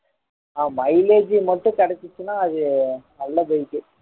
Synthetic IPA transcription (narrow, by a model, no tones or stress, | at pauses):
aːmɐɪleːd͡ʒimɐʈːʊ̃kɐɽɛt͡ʃːɪt͡ʃːɯnaːɐðɯnɐlːɐbɐjkːɯ